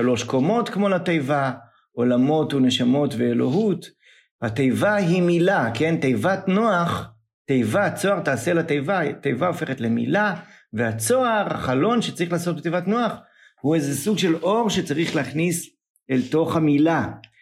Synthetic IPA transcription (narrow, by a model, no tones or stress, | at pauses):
ʃalo̞ʃko̞mo̞t̪kmo̞latejva | o̞lamo̞tune̞ʃamo̞tve̞ːlo̞̰ɦut | hate̞jvaɦimilake̞ntejvatnoaχ | tejvat͡so̞aʁtaːse̞lat̪ejvatejvao̞fe̞χetle̞mḭla | vehat͡so̞aʁa̰χalo̞nʃet͡saʁiχlaːsot̚bet̪ejvatnoaχ | huezesuɡʃe̞lo̞ʁʃet͡saʁiχleːχnis | elto̞χhamila